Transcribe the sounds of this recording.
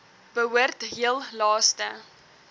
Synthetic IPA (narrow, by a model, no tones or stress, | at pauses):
b̥əɦuərtɦiəlˠlɑːstə